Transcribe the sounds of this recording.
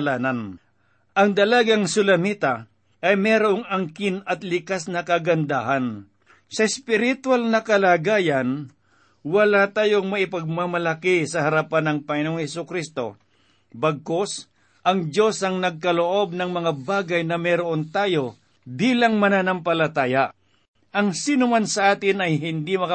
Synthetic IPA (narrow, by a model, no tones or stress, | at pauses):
laːnɐn | ʔɐŋd̪ɐlaɡaŋsʊlɐmit̪a | ʔɐjmɛːɾoʔoŋɐŋkɪnɐt̪lɪkasnɐkɐɡɐnd̪aɦan | sɐɪspɪɾɪt̪walnɐkɐlaːɡaːjɐn | wɐlat̪aːjoŋmɐʔɪpɐɡ̚mamɐlɐkɪsɐhɐɾɐpanɐŋpɐŋɪnoŋhɛsukɾist̪o̞̰ | bɐɡ̚ko̞s | ʔɐŋd͡ʒo̞sɐŋnɐɡ̚kɐloʔo̞b̚nɐŋmɐŋabaːɡɐjnɐmɛɾoʔont̪aːjo̞ | biːlɐŋmɐnanɐmpɐlɐt̪aːja | ʔɐŋsinʊmansɐʔaːt̪ɪnɐjɦɪnd̪imɐk